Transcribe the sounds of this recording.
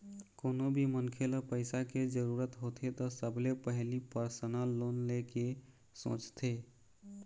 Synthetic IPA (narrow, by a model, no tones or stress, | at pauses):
koːnobʱimənkʰeləpəɪsaked͡ʒəɾuːɾət̪ɦot̪ʰet̪ɔsəblepəɦlipəɾsənalːoːnleke | sõ̰ːt͡ʃt̪ʰe